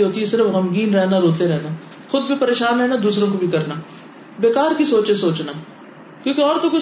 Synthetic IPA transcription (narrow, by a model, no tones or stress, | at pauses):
ɦoːt̪iɦɛsɪɾəfɣɐmɡiːnɾɛɦnaɾoːt̪eɾɛɦnaː | xʊd̪̚bʱipɐɾeːʃaːnɾɛɦnad̪uːsɾõkobʱikɐɾnaː | beːkaːɾkisoːt͡ʃesoːt͡ʃnaː | kjõːkeɔːɾt̪okʊ